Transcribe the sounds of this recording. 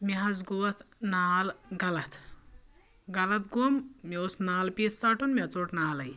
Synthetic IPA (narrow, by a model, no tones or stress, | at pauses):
miɦɐzɡoʋɐt̪ʰnaːlɡɐlɐt̪ʰ | ɡɐlɐt̪ɡoːmmiosnaːlpist͡saːʈunmʲɐt͡soːʈnaːlɐj